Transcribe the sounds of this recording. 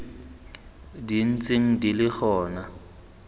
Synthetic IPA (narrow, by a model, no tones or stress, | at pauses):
din̩t͡sʼeŋ̩dilɪk͡xʰɔːna